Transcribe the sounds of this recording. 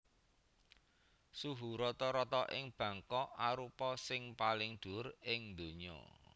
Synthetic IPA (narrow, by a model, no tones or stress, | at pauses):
suɦuɾɔt̪ɔɾɔt̪ɔʔɪŋb̥ä̤ŋkɔaɾupɔsɪŋpalɪŋɖ̪̥ʊ̤rɪŋnd̪o̤ɲɔ̰